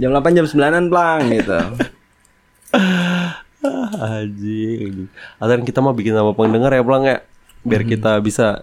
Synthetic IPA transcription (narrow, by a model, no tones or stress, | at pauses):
d͡ʒamlapand͡ʒamsəmbilananpəlaŋɡit̪ṵ | ahad͡ʒid͡ʒiadaaŋkit̪amahbikɪnnamapəŋdəŋarjapəlaŋja | biarkit̪abisa